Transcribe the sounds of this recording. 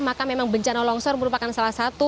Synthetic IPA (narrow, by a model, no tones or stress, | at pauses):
makamemaŋbəɲt͡ʃanɔlɔŋsɔrməɾupakansalahsat̪u